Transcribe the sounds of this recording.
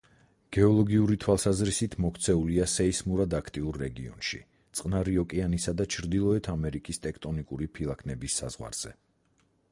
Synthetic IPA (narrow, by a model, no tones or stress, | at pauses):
ɡ̥ɛɔlˠɔɡiuɾit̪ʰwalˠsazɾisit̪ʰmɔkʰt̪sʰɛuliasɛismuɾad̪akʰt̪ʼiuɾːɛɡḭɔ̰nʃḭ | t̪sʼqʼnaɾiɔkʼianisad̪at͡ʃʰɾd̪ilˠɔɛt̪ʰamɛɾikʼist̪ʼɛkʰt̪ʼɔnikʼuɾipʰilˠakʰnɛbisːa̰zʁwa̰ɾz̥ɛ̰